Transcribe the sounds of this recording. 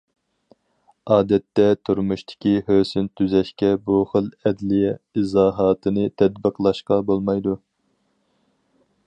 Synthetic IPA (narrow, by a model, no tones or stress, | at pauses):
ɑːd̪ɛt̪ːɛt̪ʰuɾmuʃt̪ʰɪ̥kʲihøːsynt̪ʰːyzɛʃkʲɛbuχəlˠɛd̪lɪjɛizɑːɦɑːt̪ʰɨnɨt̪ʰɛd̪bəqʰlˠɑʃqɑbolˠmɑjd̪u